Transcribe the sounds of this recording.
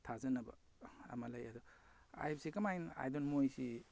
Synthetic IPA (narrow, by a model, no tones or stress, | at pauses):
tʰazɐnɐbɐ̰ | ɐ̰mɐlɐjɐd̪ɔ | a̰jbsikɐmajna̰jdɔnmojsi